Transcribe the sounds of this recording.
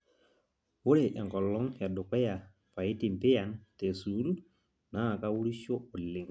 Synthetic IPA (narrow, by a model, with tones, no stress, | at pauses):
wo˦ɾe˨ʔɛ˨ŋkɔ˨lːɔ˦ŋja˨ɗʊ˨kɛ˦ja˨ | pa˨i˦ti˨m˨pɪ˦ja˨nte˨su˨˦lu˦ | na˦˨ka˦wu˦ɾi˦ʃo˦o˨lːɪ˨ŋ